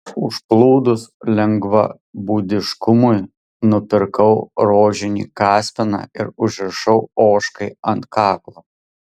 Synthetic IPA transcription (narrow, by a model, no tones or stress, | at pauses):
ʊʃplˠuːd̪ʊslʲɛŋɡʋɐ̰ | buːd̪ʲɪʃkʊmʊj | nʊpʲɪɾkɐʊɾoːʒʲɪnʲḭːkɑːsʲpʲɪnɑ̰ːɪ̰ɾʊʒʲɪɾʃɐʊoːʃkɐɪɐnt̪̚kɑːklˠoː